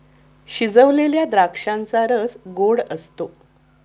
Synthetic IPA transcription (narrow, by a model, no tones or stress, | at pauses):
ɕid͡zəʋleljad̪ɾakʂãnt͡saɾəsɡoɽəst̪o